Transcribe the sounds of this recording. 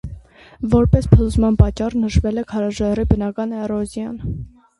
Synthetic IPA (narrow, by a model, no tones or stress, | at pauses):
vɔɾpɛspʰəluzmɑnpɑt͡ʃːɑrnəʃvɛlɛkʰɑɾɑʒɑribənɑkɑnɛrɔzjɑn